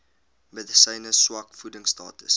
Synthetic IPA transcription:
məðəsəjnəswɐkfudəŋstɑ̰ːtəs

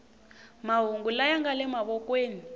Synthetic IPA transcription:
maɦuŋɡulajaŋɡalɛmaβɔkweːni

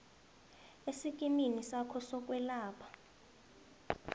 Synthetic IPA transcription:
esik̬ʼiminisakʰɔsɔk̬ʼwɛlaːpʰḁ

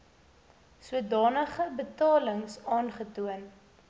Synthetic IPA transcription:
suədɑːnəχəbətɑːləŋsɑːnχətuən

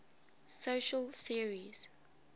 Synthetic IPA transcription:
soʃəlˠθiəɹiz̥

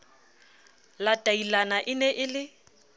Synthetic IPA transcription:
latʼailanaʔɪnɛʔɪlɪ

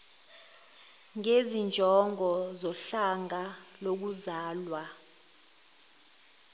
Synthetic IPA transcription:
ŋezind͡ʒʱɔŋɔzɔɬaŋalok̬uzaːlwa

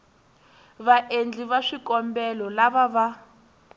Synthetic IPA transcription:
βaʔend͡ɮiβaʂikɔmbɛlɔlaβaβa

